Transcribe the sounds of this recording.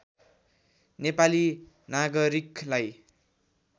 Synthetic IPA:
nepali | naɡʌɾiklaj

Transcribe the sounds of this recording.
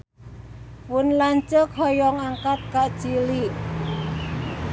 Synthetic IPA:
pʊnlaɲt͡ʃəkʰɔjɔŋaŋkat̪̚kaʔd̥t͡ʃiliʔ

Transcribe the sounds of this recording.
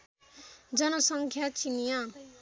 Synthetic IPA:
d͡zʌnʌsʌŋkʰjat͡sinija

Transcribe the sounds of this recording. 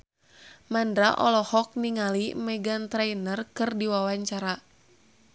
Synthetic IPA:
mandɾaʔɔlɔhɔk̚niŋalimɛɡant̪ɾajnərkɨrdiwawaɲt͡ʃaɾa

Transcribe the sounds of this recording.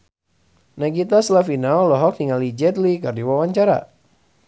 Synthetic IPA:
naɡit̪aslafinaɔlɔɦɔk̚niŋalid͡ʒɛd̪likardiwawaɲt͡ʃaɾa̰

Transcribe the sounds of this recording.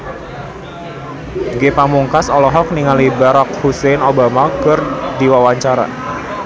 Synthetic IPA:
ɡepamuŋkasɔlɔɦɔk̚niŋalibaɾak̚husenobamakərd̪iwawaɲt͡ʃaɾa̰

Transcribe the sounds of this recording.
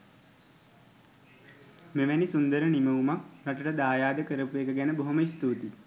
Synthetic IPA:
meʋænisund̪əɾəniməumak̚naʈəʈəd̪aːjaːd̪əkəɾəpuekəɡænəboɦoməist̪uːt̪i

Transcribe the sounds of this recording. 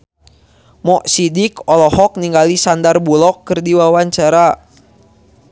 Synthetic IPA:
mɔʔsidikɔlɔhɔk̚niŋɡalisandarbulɔkːɨrdiwawaɲt͡ʃaɾa

